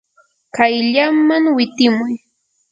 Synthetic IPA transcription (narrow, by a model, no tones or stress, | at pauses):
kajʎamːaŋwɪt̪ɪmʊj